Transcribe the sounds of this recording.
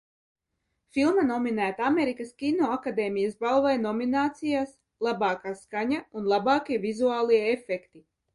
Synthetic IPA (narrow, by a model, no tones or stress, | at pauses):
filˠmanɔminæːt̪aameɾikaskʲinoakad̪eːmijɐsbalˠvajnɔminaːt̪sijaːs | lˠabɑːkaːskaɲaunlˠabaːkiɛvizuaːlˠiɛefɛkt̪i